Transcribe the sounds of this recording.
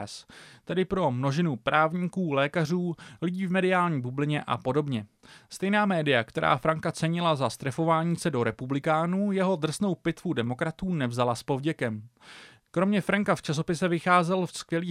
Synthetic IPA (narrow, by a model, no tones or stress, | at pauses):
st̪ɛdɪpɾo̞mno̞ʒɪnupɾaːvɲiːkuːlɛːkar̝uːlɪɟiːvmɛdɪaːlɲiːbublɪɲɛʔa̰po̞do̞bɲɛst̪ɛjnaːmɛːdɪjakt̪ɛɾa̰ːfɾaŋkat͡sɛɲɪlazast̪ɾɛfo̞vaːɲiːsɛdo̞ɾɛpublɪkaːnuːjɛɦo̞d̪r̩sno̞wpɪt̪vudɛmo̞kɾat̪uːnɛvzalaspo̞vɟɛkɛm | kɾo̞mɲɛfɾaŋkaft͡ʃas̬o̞pɪsɛvɪxaːzɛlfskvjɛliː